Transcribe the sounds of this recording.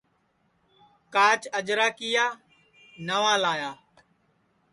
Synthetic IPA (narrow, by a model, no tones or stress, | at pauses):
kaːt͡ʃəd͡ʒɾaːkɪjaː | nəʋãːlaːjaː